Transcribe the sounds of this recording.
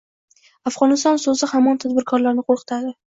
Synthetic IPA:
afʁɒnɪst̪ɒnsozɪhamːɒnt̪ʰad̪bɪɾkʰɒɾlaɾnɪqʰoɾqɨ̥t̪ʰad̪ɪ

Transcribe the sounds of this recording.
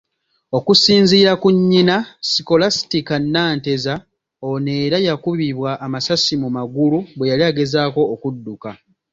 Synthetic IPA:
o̞kusiːnziːɾakuɲːinasiko̞lasi̥tikanːaːnte̞za | one̞ːɾajakuβiβwaʔːmasasimumaɡuluβwe̞jaliaɡe̞zaːko̞ːkudːuka

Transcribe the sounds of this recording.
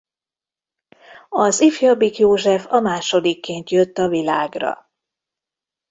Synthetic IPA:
ɒzifjɒbikjoːʒɛfɒmaːʃo̞d̪ikːeːnt̪jøt̪ːɒvilaːɡrɒ̰

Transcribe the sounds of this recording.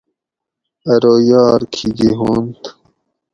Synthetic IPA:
ɐɾoːjɑːɾkʰiɡ̪iɦoːnt̪

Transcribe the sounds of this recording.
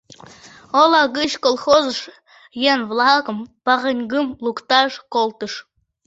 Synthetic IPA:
olˠɑɡɨɕkolˠχozəʃ | jenvlˠɑkə̆mpɑʁə̆nʲɡɨmlˠukt̪ɑʂkolˠt̪ə̆ʃ

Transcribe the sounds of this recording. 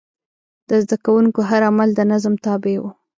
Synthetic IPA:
d̪̥əzd̪akawuŋkoɦaɾamald̪ənazmt̪ɑbewu

